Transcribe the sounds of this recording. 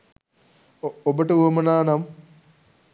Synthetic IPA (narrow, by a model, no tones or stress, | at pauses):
obəʈəuɐmənaːnam